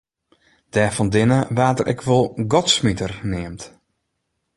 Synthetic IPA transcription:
d̥ɛːfɔndɪnəʋaːtərʔɛ̰kʰʋolˠɡɔtsmitərnɪəmt

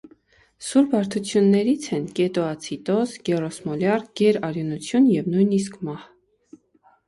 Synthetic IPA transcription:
suɾbɑɾt̪ʰut͡sʰjunːɛɾit͡sʰɛnkɛt̪ɔɑt͡sʰit̪ɔsɡɛrɔsmɔljɑrɡ̥ɛɾɑɾjunut͡sʰjunjɛvnujnis̬kʰmɑh

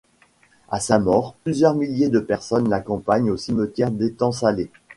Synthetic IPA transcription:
asamɔːʁplyzjœʁmiljed̪əpɛʁsɔnlakɔ̃paɲosimət̪jɛʁd̪et̪ɑ̃sale

